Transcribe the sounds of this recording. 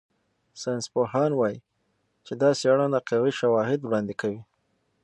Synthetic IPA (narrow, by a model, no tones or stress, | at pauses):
sanspohɑnwɑji | t͡ʃed̪ɑseɽɑnaqewiʃawɑɦɪd̪wɽɑnd̪ɪkawi